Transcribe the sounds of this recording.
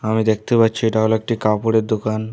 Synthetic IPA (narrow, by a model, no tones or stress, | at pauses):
amiːd̪ek̚ʰt̪ebatt͡ɕʰiʈawlak̚ʈikapuɽed̪ukan